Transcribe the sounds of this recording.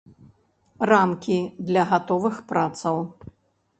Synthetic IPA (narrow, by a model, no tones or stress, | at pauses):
ramkʲid̪lʲɐɣat̪ɔvɨxpɾat̪sɐw